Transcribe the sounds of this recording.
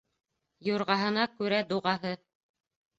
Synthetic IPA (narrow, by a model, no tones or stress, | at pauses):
juɾʁɑɦɤ̆nɑkʉɾæd̪uʁɑɦɤ